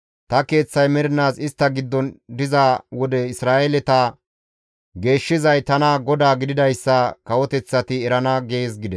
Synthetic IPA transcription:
t̪ɐke̞ːt͡sːɐjmɛɾɪnaːsɪst̪ːɐɡɪd̪ːɔnd̪ɪzawɔd̪ɛɪsɾaːʔelɛt̪aː | ɡe̞ːʃːɪzɐjt̪ɐnɐɡɔd̪aːɡɪd̪ɪd̪ɐjsːɐkɐwɔt̪ɛt͡sːɐt̪ɪɛɾɐnɐɡeːsɡɪd̪ɛs

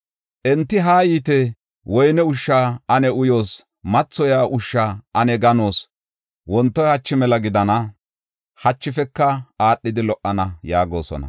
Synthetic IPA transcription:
ʔɛnt̪ːɪɦaːjiːt̪ɛ | wɔjnɛʊʃːaːɐnɛʊjo̞ːs | mɐt͡sːɔjaːʔʊʃːaːʔɐnɛɡɐno̞ːs | wɔnt̪ːɔjhɐt͡ʃːɪmɛlɐɡɪd̪ɐnɐ | hɐt͡ʃːɪfɛkːɐaːɗːɪd̪ɪlɔʔːɐnɐjaːɡo̞̰ːsɔ̰nɐ̰

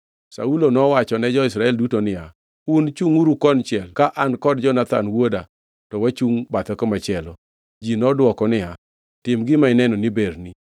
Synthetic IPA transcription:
sa̰ulonɔwat͡ʃɔnɛd͡ʒɔɪsɾaɛldutonɪja | unt͡ʃuŋuɾukɔnt͡ʃɪɛlkaʔankɔdd͡ʒɔnat̪a̰nwoda | tɔwat͡ʃuŋbat̪ɛkɔmat͡ʃɛlɔ | d͡ʒinɔdwɔkɔnɪa | tɪmɡɪmaɪnɛnɔnɪbeɾni

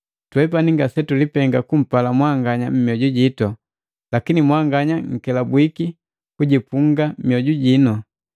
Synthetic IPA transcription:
twɛp̬aniŋɡasɛtulipɛŋɡakum̩palamwaŋɡaɲam̩mjɔɟuɟitɔ | lakinimwaŋɡaɲaŋ̩kɛlabwiki | kuɟipuŋɡamjɔɟuɟinɔ

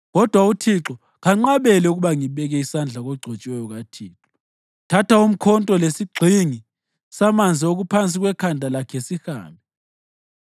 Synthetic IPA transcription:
ɣɔd̥ʱwautʰiǁɔ | ɣaŋ͡ǀaɓɛlɛuɣuɓaŋiɓɛɣ̬ɛisand͡ɮʱaɣ̬ɔɡ͡ǀʱɔt͡ʃʼwɛjɔɣ̬atʰiːǁɔɔ | tʰatʰaum̩kʰɔntʼɔlesiɡ͡ǀʱiŋi | samand͡zʱioɣ̬upʰant͡sʼiɣ̬wɛkʰandʱalakʰɛsixa̰ːmbʱɛ

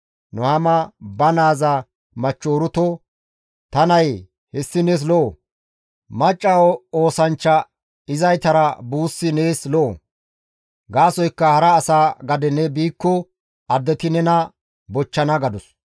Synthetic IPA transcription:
nʊhɐmɐbɐnaːzɐ | mɐt͡ʃːoːɾʊt̪ɔ | t̪ɐnɐj | hɛsːɪneːs̬lɔʔo | mɐt͡ʃʼːɐoːsɐnt͡ʃːɐ | ɪzɐjt̪ɐɾɐbuːsːɪne̞ːslɔʔo̰ | ɡaːsɔjkːɐhɐɾɐːsaːɡɐd̪ɛnɛbiːkːɔ | ɐd̪ːɛt̪ɪnɛnɐ | bɔt͡ʃːɐnɐɡɐd̪ʊs

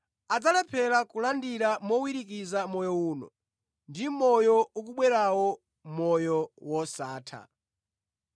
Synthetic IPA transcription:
ad͡zalɛpʰɛlakulandiɾamɔwiɾik̬izamɔjɔuːnɔ̰ | ndimɔjɔuk̬uɓwɛɾawɔ | mɔjɔwɔsaːtʰa̰

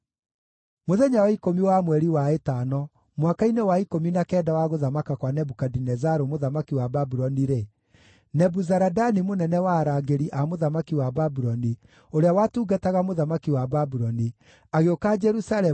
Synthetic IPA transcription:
moðɛɲawaikomiwamwɛɾiwaetanɔ | mwakainewaikominakɛːdawaɣoðamakakwanɛbukadinɛzaɾomoðamakiwababuɾɔniɾe | nɛbuzaɾadanimonɛnɛwaːɾaɡeɾiʔamoðamakiwababuɾɔni | oɾeawatuːɡataɣamoðamakiwababuɾɔni | aɣeokad͡ʒɛɾusalɛ

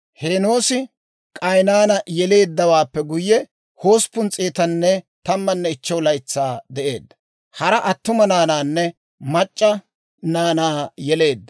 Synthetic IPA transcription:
heːno̞ːsɪ | kʼɐjnaːnɐjɛle̞ːd̪ːɐwaːpːɛɡʊjːɛ | ho̞ːspʊnt͡sʼeːt̪ɐnːɛ | t̪ɐmːɐnːɛɪt͡ʃːɛwlɐjɪt͡sːaːd̪ɛʔe̞ːd̪ːɐ̥ | hɐɾɐʔɐt̪ːʊmɐnaːnaːnːɛ | mɐt͡ʃʼːɐ | naːnaːjɛle̞ːd̪ːɐ

